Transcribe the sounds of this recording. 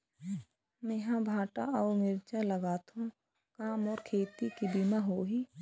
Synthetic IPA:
mẽɦãbʱaːʈa̰ʔɔːɾnɪɾt͡ʃaləɡaːt̪ɦõ | kaːmɔːɾkʰeːt̪ikibimaɦoːɦiː

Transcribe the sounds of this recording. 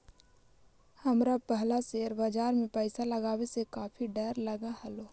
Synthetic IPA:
hɐmɾapɛɦlaseːɾbad͡ʒaːɾmẽpəɪsalɐɡaːwesekaːfʰiɖɐɾlɐɡahɛloː

